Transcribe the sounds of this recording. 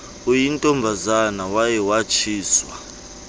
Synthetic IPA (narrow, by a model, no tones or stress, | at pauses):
ujintʼɔmbʱazanawajɛwat͡ʃʰiːswa̰